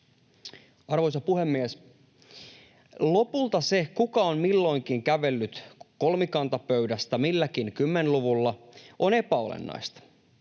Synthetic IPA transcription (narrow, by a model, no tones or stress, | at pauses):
ɑrʋo̞js̬ɑpuhe̞mːies | lo̞pult̪ɑse̞kukɑonmilːo̞jŋkiŋkæʋe̞lːyt̪ko̞lmikɑnt̪ɑpø̞ɥdæst̪æmilːækinkymːe̞nluʋulːɑʔo̞ne̞pæo̞̰lḛnːɑ̰jst̪ɑ̥